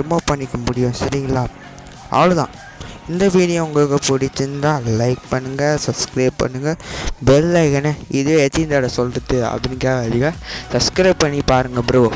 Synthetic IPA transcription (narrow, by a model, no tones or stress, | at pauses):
ɾɪmoːpɐɳːɪkːɐmʊɽɪjʊ̃sɐɾɪɐlaː | ɐ̰ʋɐlɯðã̰ː | ɪnd̪ɐʋiːɽɪjõːʊŋɡɐɭɯkːɐpʊɽɪt͡ʃːɯnd̪ãːlɐɪk̚pɐɳːɯŋɡɐsɐbskɾɐːppːɐ̰ɳːɯŋɡɐbɛlːɐɪkɐnɐɪðɯjẽɛt͡ʃ̪ːɪnd̪aɽɐsɔlɾɯt̪ːɯɐ̰pːɐnɪkaːɐðɪɣasɐbskɾɐːbpːɐɳːipaːɾɯŋɡɐbɪɾɐʋo